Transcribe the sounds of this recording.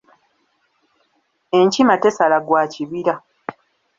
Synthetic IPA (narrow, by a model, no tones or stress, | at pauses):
e̞ɲcimate̞salaɡwaːciβiɾa